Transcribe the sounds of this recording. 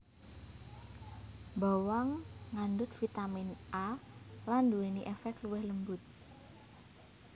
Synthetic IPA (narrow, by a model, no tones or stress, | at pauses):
bawaŋːandʊt̪̚fit̪aminʔalanduweniʔɛfɛk̚t̪luwɪhləmbʊt̪̚